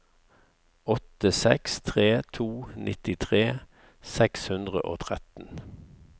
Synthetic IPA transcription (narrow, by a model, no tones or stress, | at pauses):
ɔt̪əsɛ̰kst̪ʰʁeːt̪ʰuːnʔɪt̪ɪt̪ʰʁeː | sɛkshʉnd̪ʁə̰ʔo̰ːt̪ʰʁɛt̪n̩